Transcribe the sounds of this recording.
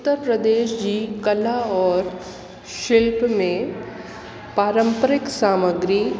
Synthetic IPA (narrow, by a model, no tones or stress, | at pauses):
t̪ːəɾpɾəd̪eːʃd͡ʑikɐlaɔːɾ | ʃɪlpmẽ | paːɾə̃mpəɾɪksaːməɡɾi